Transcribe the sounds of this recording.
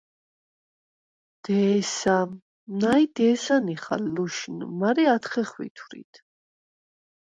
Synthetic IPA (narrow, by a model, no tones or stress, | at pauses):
d̪̥ɛːsa | najd̪ɛːsaniχa̰lːuʃnmaɾɛat̪χɛχwḭt̪ʰwɾḭt̪ʰ